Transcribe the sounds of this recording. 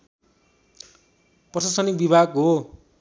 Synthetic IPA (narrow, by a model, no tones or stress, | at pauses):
pʌsasʌnik̚bibʱaɡɦo